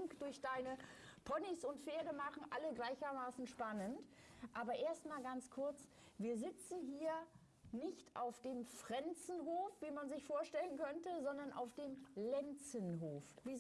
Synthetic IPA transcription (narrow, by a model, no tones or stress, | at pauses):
ŋkd̥ʊɐçd̥aɪnəpʰɔnisʊntfeːɐdəmaχn̩ʔaləɡlaɪçɐmaːsn̩ʃpanəntʔaːbɐʔeːɐstmaːlɡant͡skʰʊɐt͡s | viːɐzɪt͡sn̩ɦiːɐ | nɪçtʰʔaʊfd̥eːmfʁ̥ɛnt͡sn̩ɦoːfv̥iːmanzɪçfoːɐʃtɛlənkʰœntəzɔndɐnʔa̰ʊfd̥eːmlɛnt͡sənɦoːfviː